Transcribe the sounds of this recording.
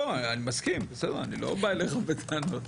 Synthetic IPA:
oanimaskimbesed̪eʁanilo̞̰baeleχavet̪anot̪

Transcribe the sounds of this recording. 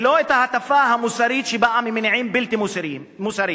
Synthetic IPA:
loːʔɪt̪ahat̪afaːɦamwusaɾiːt̪ʃibaʔamimɪnʕiːmbɪlt̪imusɾi | musaɾiː

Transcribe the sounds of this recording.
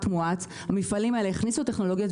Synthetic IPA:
tmuat͡s | hamifalimaeleeχnisuate̞χno̞lo̞ɡjot

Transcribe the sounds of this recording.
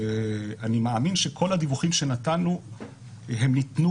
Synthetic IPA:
animeaminʃe̞kʰo̞lhadivuχimʃe̞natanu | ɦe̞mnit̪nu

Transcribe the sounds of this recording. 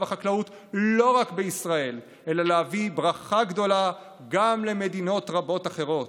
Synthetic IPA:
vaχaklaut̪ | lo̞ʁakbeisʁae̞l | ʔe̞lalehavibʁaχaɡd̪o̞la | ɡamle̞med̪ino̞t̪ʁabo̞taχe̞ʁo̞t

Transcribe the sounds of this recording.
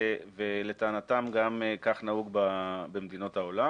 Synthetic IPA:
velet̪aːnat̪amɡamkaχnauɡbabemed̪ino̞thao̞la

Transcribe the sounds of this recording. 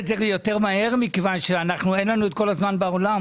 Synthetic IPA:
zeʁjo̞te̞ʁmahe̞ʁmikevanʃeanaχnuenlanuet̚ko̞lazmanbaolam

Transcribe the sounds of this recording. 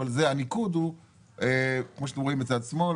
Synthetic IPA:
alzeanikud̪hu | ekmoʃat̪emʁoimet͡sad̪asmo̞

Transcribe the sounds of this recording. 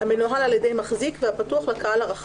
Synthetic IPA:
hamenuɦalaljedejmaχzikvehapatuaχlakaalhaʁaχa

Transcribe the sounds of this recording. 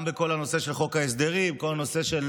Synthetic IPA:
mbeko̞lano̞se̞ʃe̞lχo̞kaes̬d̪eʁibeko̞lano̞se̞ʃel

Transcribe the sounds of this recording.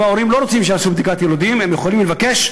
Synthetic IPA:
ao̞ɾimlo̞ɾot͡simʃeasubd̪ikat̪je̞lod̪ime̞mje̞χolimlevake̞ʃ

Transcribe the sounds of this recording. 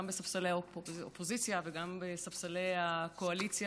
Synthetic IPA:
ambesafsalejapopozit͡sjaveɡambesafsalejako̞alit͡sj

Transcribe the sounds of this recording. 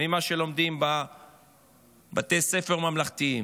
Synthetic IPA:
imaʃelo̞md̪imba | bat̪ejse̞feʁmamlaχt̪ii

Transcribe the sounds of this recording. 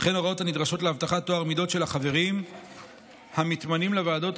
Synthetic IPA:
χeno̞ʁao̞thanid̪ʁaʃo̞tleavt̪aχat̪ːoaʁmido̞tʃelhaχave̞ʁim | hamit̪manimlevaːdo̞t

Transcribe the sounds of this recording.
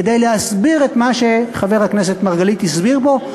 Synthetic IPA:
edejleɦasbiʁet̪maʃe̞χave̞ʁhaknese̞t̪maʁɡalit̪isbiʁbo̞

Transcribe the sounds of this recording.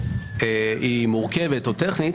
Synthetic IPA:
eimuʁkevet̪ot̪eχnit̪

